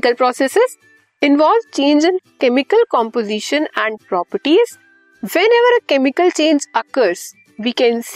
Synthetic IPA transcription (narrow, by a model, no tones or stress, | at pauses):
kəlpɾɔːsesɪz | ɪ̃nʋɔːlʋt͡ʃẽːnd͡ʒɪ̃nkɛmɪkəlkɔ̃mpozɪʃə̃næ̃ɳɖ̚pɾɔːpəɾʈiz̥ | ʋɛ̃nɛʋəɾəkɛmɪkəlt͡ʃẽːnd͡ʒəkəɾz̥ | ʋiːkɛ̃ns